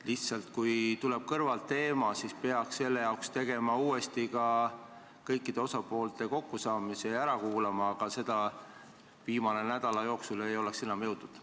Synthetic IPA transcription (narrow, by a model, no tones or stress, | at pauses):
liht̪sɑlt̪kujt̪uleb̥̚kɤrvɑlt̪ːe̞ːmɑsispe̞ɑksːe̞lːe̞jɑuwkst̪e̞ɡe̞mɑuːe̞st̪ikɑ | kɤjkˑːid̪̥e̞o̞sɑpo̞ːlt̪ˑe̞ko̞kːusɑːmise̞æɾɑkuːlɑmɑːɡ̥ɑse̞d̪̥ɑ | viːmɑne̞næd̪̥ɑlɑjo̞ːksule̞jo̞leksenɑmjɤwd̪ud̪̥